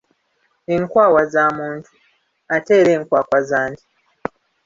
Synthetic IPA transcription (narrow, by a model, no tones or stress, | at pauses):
eŋkwaːwazamuːntʰu | ate̞ːɾe̞ːŋkwaːkwazaːndi